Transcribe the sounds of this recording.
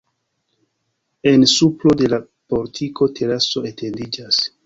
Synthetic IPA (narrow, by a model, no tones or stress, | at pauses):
e̞nsuplo̞de̞la | po̞ɾtʰikʰo̞tʰe̞ɾaso̞etʰe̞ndid͡ʒas